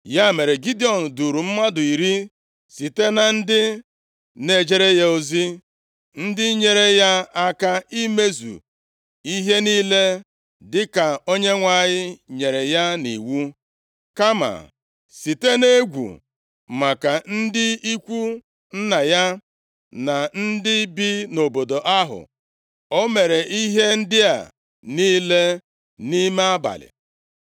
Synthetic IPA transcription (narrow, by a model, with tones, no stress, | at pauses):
ja˦me˨ɾe˨ɡi˦di˦ɔ˨n̩˨du˨ɾu˨m̩˦ma˦dʊ˨i˨ɾi˦ | si˨te˦na˨n̩˦dɪ˦ | ne˨d͡ʒe˦ɾe˦ja˦o˦zi˦ | n̩˦dɪ˦ɲe˨ɾe˦ja˦a˦ka˦i˦me˦zṵ˨ | i˦ɦe˦niː˦le˦ | dɪ˦ka˨o˦ɲe˦ŋʷa˦˨ɲɪ˦ɲe˨ɾe˨ja˦nḭ˨wu˦ | ka˦ma̰˨ | si˨te˦ne˦ɡʷṵ˨ | ma˨ka˨n̩˦dɪ˦i˦kʷu˦ | n̩˦na˨ja˦ | na˨n̩˦dɪ˦bi˦no˨bo˨do˨ʔa˦ɦʊ̰˨ | o˦me˨ɾe˨ʔi˦ɦe˦n̩˦dɪ˦a̰˨ | niː˦le˦ | ni˦me˦a˦ba̰˨lɪ̰˨